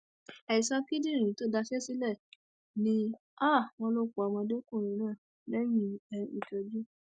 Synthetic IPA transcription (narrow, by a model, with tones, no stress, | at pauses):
ɛ˨i˨sãɔ̃˦ki˦dĩ˦˨ɾ̃ĩ˨˦to˦da˧ʃɛ˦si˦lɛ˦˨ | nĩ˦ | a˦˨w̃ɔ̃˧lo˧ko˨a˨mɔ̃˧de˦kũ˦˨ɾ̃ĩ˨˦nãː˦˨ | lɛ˦jĩ˦ɛ˧i˨to˨d͡ʒu˦